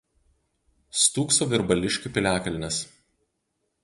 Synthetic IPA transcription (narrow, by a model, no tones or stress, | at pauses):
st̪uːksoːʋʲɪɾbɐlʲɪʃʲkʲɪpʲɪlʲæːkɐlʲɪnʲɪs